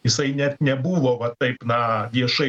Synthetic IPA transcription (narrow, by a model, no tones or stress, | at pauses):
ɪsɐɪnʲɛt̪nʲɛbuːʋoːʋɐt̪ːɐɪpnɐʋʲiɛʃɐɪ